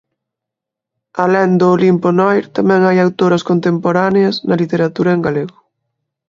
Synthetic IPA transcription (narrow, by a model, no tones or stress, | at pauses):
alɛnd̪ʊːlimponɔjɾt̪amɛ̃ŋajawt̪oɾɐskont̪empoɾaneɐsnɐlit̪eɾat̪uɾɐeŋɡaleɣʊ